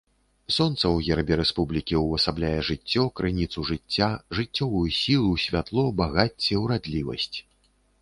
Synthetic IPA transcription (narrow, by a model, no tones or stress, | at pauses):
sɔnt̪sɐwɣʲɛɾɐbʲɛɾɛspublʲikʲiwɐsablʲajɛʐɨt͡sʲːɔkɾʔɨnʲit̪suʐɨt͡sʲːaʐɨt͡sʲːɔvujusʲilˠusʲvʲat̪lˠɔbaɣat͡sʲːɛwɾad̪lʲivɐ̰sʲt͡sʲ